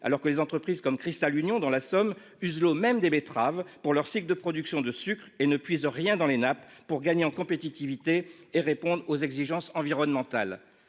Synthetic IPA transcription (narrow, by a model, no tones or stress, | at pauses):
a̰lɔʁkəlezɑ̃t̪χəpχizkɔmkχist̪alynjɔ̃d̪ɑ̃lasɔm | yzlomɛmd̪ebet̪χavpuʁlœʁsikld̪əpχɔd̪yksjɔ̃d̪əsykχenəpɥizʁjɛ̃d̪ɑ̃lenapːuʁɡaɲeɑ̃kɔ̃pet̪it̪ivit̪eːʁepɔ̃d̪ʁozɛɡziʒɑ̃sɑ̃viʁɔnmɑ̃t̪a̰l